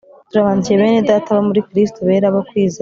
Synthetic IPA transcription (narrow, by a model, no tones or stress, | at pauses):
tuɾaβaːɲɟije̞βe̞ːnedataβamuɾikɾis̬toβe̞ːɾaβakwiːzi